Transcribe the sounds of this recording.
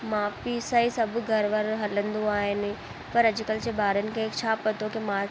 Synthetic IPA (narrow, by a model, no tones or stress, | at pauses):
mãpisɐisɐbʱɡʱɐɾʋəɾɦɐlə̃nd̪uaːɦɪnɪ̆ | pɐɾɐd͡ʑʊkəlt͡ɕebaːɾənɪ̆kʰeːkt͡ɕʰaːpɐt̪okimã